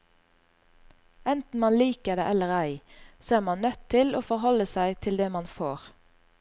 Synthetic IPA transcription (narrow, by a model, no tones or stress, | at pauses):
ɛnt̪n̩mɑnliːkəd̪ḛːʔɛləʁæɪsoːæːʁmɑnnœt̪ʰːɪloːfɔʁɦɔləsæɪt̪ʰɪld̪eːmɑnfoːʁ